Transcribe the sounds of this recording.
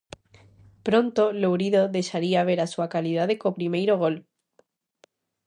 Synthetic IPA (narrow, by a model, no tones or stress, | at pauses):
pɾõnt̪olowɾiðoðeʃaɾiaβ̞eɾasuakaliðaðekopɾimejɾoɣ̞o̞l